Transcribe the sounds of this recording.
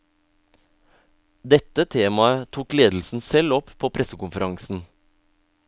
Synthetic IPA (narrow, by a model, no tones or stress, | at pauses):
d̪ɛt̪ət̪ʰeːmɑət̪ʰuːkleːd̪l̩sn̩sɛlɔppʰoːpʰɾɛsəkʊnfəɾɑŋsn̩